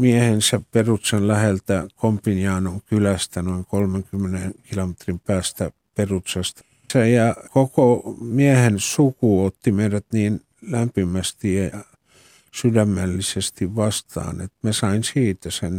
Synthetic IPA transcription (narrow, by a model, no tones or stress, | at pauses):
miehensæpperut̪senlæhelt̪ækompinjɑːnoŋkylæst̪ænoiŋkolmeŋkymːenenkilomet̪rimpæːst̪æ | perut̪sɑst̪ | sæjɑkokomiehensukuːot̪ːimeiræt̪niːn | læmpimæst̪ijjɑ | sydæmːælːisest̪iʋʋɑst̪ɑ̰ːnḛt̪mæsɑinsiːt̪æsen